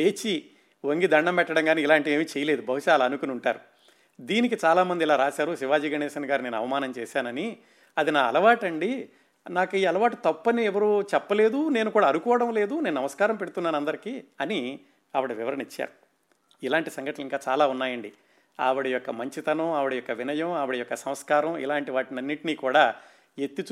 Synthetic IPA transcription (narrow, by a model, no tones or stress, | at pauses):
eːt͡ʃi | ʋoŋɡid̪ɐɳːɐmpɛʈːɐɽɐŋɡaːniːilaːɳʈie̞ːmiːt͡ʃɛjɐle̞ːd̪ubʱɐɦuʃaːlɐɐnukunuɳʈaːɾu | d̪iːnik̬it͡ʃaːlaːmɐnd̪ilaːɾaːʃaːɾuʃiʋaːd͡ʒiːɡɐnɛːʃɐnɐɡaːɾine̞ːnɐ̰ʋɐmaːnɐmt͡ʃɛːʃaːnɐni | ɐd̪inaːɐ̰lɐʋaːʈɐɳɖi | naːkiːɐlɐʋaːʈit̪ɐpːɐniɛʋɐɾut͡ʃɛpːɐle̞ːd̪une̞ːnukuːɽaːɐnukɔːʋɐɽɐmle̞ːd̪uneːnunɐmɐskaːɾɐmpe̞ɽut̪unːaːnɐnd̪ɐɾikiːɐni | ɐʋɐɽɐʋiʋɐɾɐnit͡ʃːa̰ːɾu | ilaːɳʈisɐŋɡɐʈlɐliŋkaːt͡ʃaːlaːunːaːjɐɳɖi | a̰ːʋɐɽijɔkːɐmɐɲt͡ʃit̪ɐnɐaːʋɐɽɐjɔkːɐʋinɐjɐmaːʋɐɽɐjɔkːɐsɐmskaːɾɐmḭlaːɳʈiʋaːʈinɐnːiʈiniːkuːɽaː | et̪ːit͡ʃ